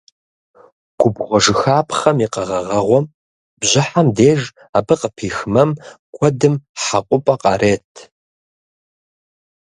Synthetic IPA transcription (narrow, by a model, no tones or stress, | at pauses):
ɡ̥ʷʊbʁʷɔʐɨxaːpʰχɐmiqɐʁɐʁɐʁʷɔm | b̥ʑɪħamdeːʒ | aːbɨqəpʰiːxmɐm | kʷʰɔdɨmħaqʷʼʊpʼɐqʼɑ̰ɾeːtʰ